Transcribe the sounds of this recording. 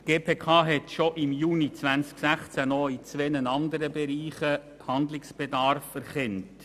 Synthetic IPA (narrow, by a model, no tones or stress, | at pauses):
ɡ̥eːpʰeːkʰɑːɦɛtʃɔʔɪmjuːnit͡sʋænsksæχt͡sænɔit͡sʋenənɑnd̪əɾəbeɾiːχəphɑnd̪lɪksb̥edɑɾfɛɾχɛnt